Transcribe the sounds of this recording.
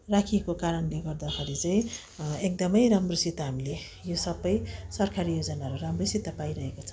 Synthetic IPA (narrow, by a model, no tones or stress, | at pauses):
rakʰiekokaɾʌnleɡʌrd̪akʰeɾit͡saĩ | ek̚d̪ʌmʌjɾamrosit̪ːaɦamile | josʌbʌjsʌrkʰaɾijod͡zʌnaɦʌɾuɾamrosit̪ːapaiɾʌɦekot͡sʰʌ